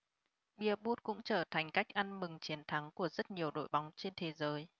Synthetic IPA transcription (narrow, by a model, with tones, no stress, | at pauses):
ɓi˧˩əɓu˦˥t̚kʊ̰˧˥ŋ͡mt͡ɕəː˧˩t̪ʰa˨˩jŋ̟ka˦˥jk̚ʔa˧nmɨ˨˩ŋt͡ɕi˨˦ənt̪ʰa˨˦ŋku˧˩əzə˦˥t̚ɲi˨˩əwɗo̰˧˨jɓa˨˦wŋ͡mt͡ɕe˧nt̪ʰe˨˦zəː˨˦j